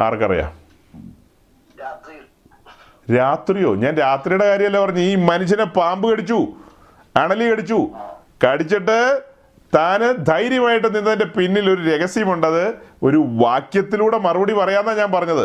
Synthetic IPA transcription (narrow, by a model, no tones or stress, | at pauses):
a̰ːrkːɐrɐ̰ja̰ː | ɾaːt̪rijo̞̰ːɲaːnɾaːt̪rijuɽe̞kaːɾjɐmɐlːapɐrɐɲːɨiːmɐnuɕ̬ːɐnepaːmbɨkɐɽit͡ɕːu | ɐɳɐlikɐɽit͡ɕːu | kɐɽit͡ɕːiʈːɨ | t̪aːnɨd̪ʱɐjɾjɐmaːjiʈ̬ːɨninːɐðɐnde̞pinːilo̞ɾuɾe̞ɣɐsjɐmuɳɖɐðɨo̞ɾuʋaːkjɐt̪ːiluːɽemɐrɨbɐɽipɐrɐjaːnːaɲaːnpɐrɐɲːɐðɨ